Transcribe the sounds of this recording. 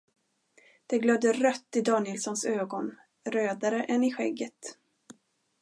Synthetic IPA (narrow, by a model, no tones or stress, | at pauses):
d̪̥ɛɡlœbd̪əɾœt̪ːɪd̪ɑːnɪlsɔnsøːɡɔn | ɾøːd̪aɾəʔɛnɪɧɛɡːət̪